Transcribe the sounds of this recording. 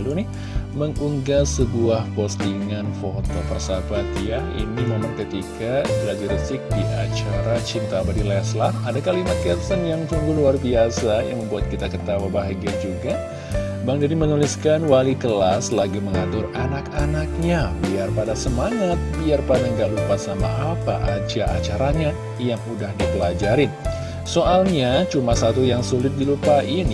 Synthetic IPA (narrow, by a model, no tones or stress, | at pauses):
lunɪ | məŋuŋɡasəbuahpost̪iŋanfot̪opərsabat̪jaḭnimemaŋkət̪ikabəlad͡ʒiɾəsɪk̚diʔat͡ʃaɾat͡ʃint̪abadilɛslaadakalimat̪̚kɛt̪sənjaŋt͡ʃuŋɡuluarbiasaja̰ŋməmbuat̪̚kit̪akət̪awabaɦaɡiad͡ʒuɡa | baŋdadimənulɪskanwalikəlaslaɡiməŋat̪ʊranakanak̚ɲabiarpadasəmaŋat̪̚biarpadaŋɡaʔlupasama̰ʔapa̰ʔad͡ʒaʔa̰t͡ʃaɾaɲa | jaŋudahdipəlad͡ʒaɾɪn | soʔalɲat͡ʃumasat̪ujaŋsulɪt̪̚dilupaʔin